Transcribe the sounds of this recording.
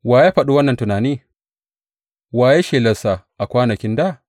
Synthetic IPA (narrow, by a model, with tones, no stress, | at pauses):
waː˨jaː˦ɸɐ˨ɗu˦wɐ˦nːɐ˨ntʊ˨naː˨niː˦ | waː˨je˦ʃeː˨lɐ˨sa˨ʔa˨kʷaː˦nɐ˨kʲɪ˦nda˦˨